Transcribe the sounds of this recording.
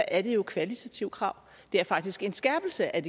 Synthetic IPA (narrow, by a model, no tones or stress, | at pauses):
ʔæɐd̥e̝jo̝kʰʋælit͡sʰæt͡sʰiʊkʰʁɑ̈ʊ̰ | d̥e̝æɐfɑ̈ɡ̥̚d̥isɡ̥e̝nsɡ̥æɐb̥l̩səʔæd̥e